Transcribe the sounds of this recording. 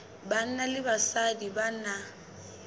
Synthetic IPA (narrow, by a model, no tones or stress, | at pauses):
ban̩nalɪbasadiban̩na